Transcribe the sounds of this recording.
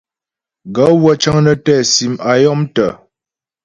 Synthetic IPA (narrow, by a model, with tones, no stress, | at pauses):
ɡa˨˦wə˦t͡ʃə˦ŋnə˦tɛː˦˨si˨ma˨jɔ˦mtə˨